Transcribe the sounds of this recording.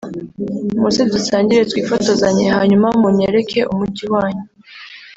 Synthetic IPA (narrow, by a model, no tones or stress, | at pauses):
musidusaːɲɟiɾetwiːfoto̞zaɲehaːɲumamuɲe̞ɾe̞kʰe̞ʔumuɟiwaːɲe